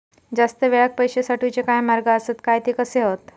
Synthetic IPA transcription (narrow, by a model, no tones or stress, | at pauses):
d͡zast̪əʋeɭak̚pəjɕesaʈʰut͡ɕekajmaɾɡəəset̪kajt̪ikəseɦot̪